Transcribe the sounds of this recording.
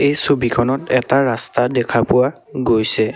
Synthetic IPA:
ejsobikʰɔnɔtɛtaɹastadɛkʰapʊwa | ɡojsɛ

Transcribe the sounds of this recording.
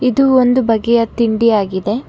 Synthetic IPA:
id̪uond̪ubɐɡːɛjɐt̪iɳɖiaːɡid̪e̞

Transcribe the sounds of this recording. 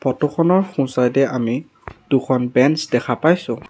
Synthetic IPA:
pɔtoxʰɔnɔɹxũsajdɛʔami | d̥ukʰɔnbɛnsdɛkʰapajsʊ̃

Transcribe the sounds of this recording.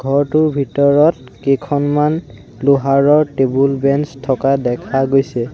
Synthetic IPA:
ɡʱɔɹtʊɹbʱitɔɹɔt | kekʰɔnman | lʊɦaɹɔɹtebulbɛnstʰɔkadɛkʰaɡojsɛ

